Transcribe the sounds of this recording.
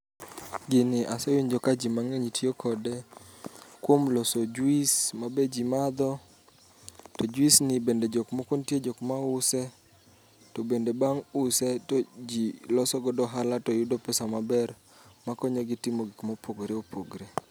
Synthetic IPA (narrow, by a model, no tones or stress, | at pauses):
ɡɪnɪʔasewiɲd͡ʒɔkad͡ʒimaŋeɲitjokʰɔde | kwomlɔsod͡ʒuismabed͡ʒimad̪ɔ | tɔd͡ʒwisnɪbended͡ʒɔkmokontjed͡ʒɔkmaʊsɛ | tɔbendebaŋʊsɛtod͡ʒilɔsɔɡɔdɔɦalatɔjʊdopɛsamabɛr | makɔɲɔɡɪtɪmoɡikmopʰoɡɾeopʰoɡɾe